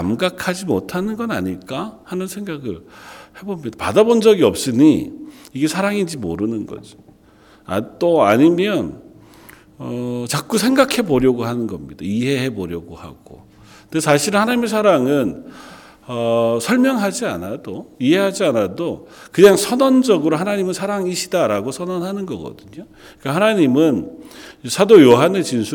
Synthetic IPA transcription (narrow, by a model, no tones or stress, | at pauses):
kamɡakʰad͡ʑimotʰanɯnɡʌna̰ɲiɭk͈ahanɯnsʰe̞ŋɡaɡɯɭhe̞bomɲidapadabond͡ʑʌɡiʌp̚s͈ɯɲiiɡe̞sʰaɾaŋind͡ʑimo̰ɾɯnɯnɡʌ̰d͡ʑi̥ | a̰t͈oaɲimjʌn | ʌt͡ɕak̚k͈usʰe̞ŋɡakʰe̞boɾjʌɡoɦanɯnɡʌmɲid̥aiɦe̞ɦe̞boɾjʌɡoha̰ɡ̥o̰ | ndesʰaɕʰiɾɯnhanaɲimesʰaɾaŋɯn | ʌsʰʌɭmjʌŋɦad͡ʑia̰nadoiɦe̞had͡ʑianadokɯɲaŋsʰʌnʌnd͡ʑʌɡɯɾoɦanaɲimɯnsʰaɾaŋiɕʰidaɾaɡosʰʌnʌnɦanɯnɡʌɡʌ̰dɯɲo | k͈ahanaɲimɯn | sʰadojoɦane̞t͡ɕinsʰu